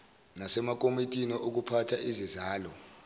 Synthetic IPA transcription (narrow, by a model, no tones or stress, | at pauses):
nasɛmak̬ʼomitʼiniʔok̬upʰatʰaʔizizaːlɔ